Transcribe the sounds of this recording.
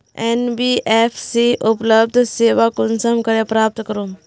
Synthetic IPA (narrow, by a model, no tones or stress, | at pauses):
enbiʔepʰsiʔupləb̚d̪ʱseːʋakunsəmkəɾepɾaːp̚t̪kəɾuːm